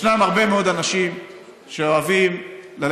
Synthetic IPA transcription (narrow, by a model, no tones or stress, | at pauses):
namaʁbe̞meo̞d̪anaʃim | ʃe̞oavimlal